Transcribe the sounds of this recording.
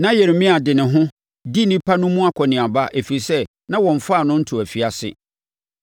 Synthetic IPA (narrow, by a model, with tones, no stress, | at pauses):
nã˦jɛ˨ɾmɪ̃˦a˨dɪ˨nɪ̃˨ɦʊ̃˦ | di˦nĩ˦pʰa˦nʊ̃˦mũ˦a˦kʰɔ˨nɪ̃˨a˨ba˦ʔe˨fi˨ɾi˨sɛ˦ | nã˦wɔ̃˨ɱ̩˨fa˦˨nʊ̃˦n̩˦tʰʊ˨æ˨fi˨a˨sɪ̰˨